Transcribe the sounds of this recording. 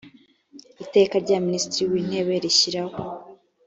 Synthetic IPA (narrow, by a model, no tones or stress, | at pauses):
ite̞kaɾɟaministiɾiwiːn̥he̞βe̞ɾiçiɾaho